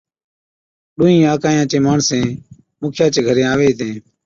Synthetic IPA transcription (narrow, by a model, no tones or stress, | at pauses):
ɗũːĩːaːkaːjãːt͡ʃeːmaːɳsẽː | mʊːkʰjãːt͡ʃeːɡʱəɾẽːaːʋeːt̪ẽː